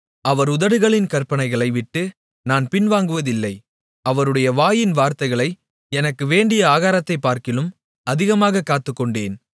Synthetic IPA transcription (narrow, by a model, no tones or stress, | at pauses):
ʔɐʋɐɾʊðɐɽɯɣɐɭɪnkɐɾpɐɳɐɪɣɐɭɐɪʋɪʈːɯ | naːnpɪnʋaːŋɡɯʋɐðɪlːɐɪ | ɐʋɐɾɯɽɐjɐʋaːjɪnʋaːɾt̪ɐɪɣɐɭɐɪ | ɛnɐkːɯʋeːɳɖɪjɐaːɣaːɾɐt̪ːɐɪpːaːɾkɪlɯm | ɐðɪɣɐmaːɣɐkːaːt̪ːɯkːɔɳɖeːn